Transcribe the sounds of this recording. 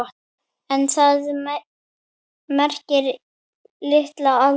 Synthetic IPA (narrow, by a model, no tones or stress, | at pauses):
ɔt̪ | ɛnθað | mɛr̥cɪɾ | lɪht̪laal